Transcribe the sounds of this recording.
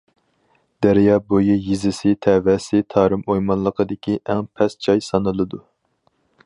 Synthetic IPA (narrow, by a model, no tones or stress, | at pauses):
d̪̥æɾjɑːbojijizɪsɪt̪ʰɛːvɛsɪt̪ʰɑːɾɨmojmɑnlˠəqʰəd̪ɪkʲʰiʔɛŋpʰɛst͡ʃʰɑjsɑnɨlˠɨd̪u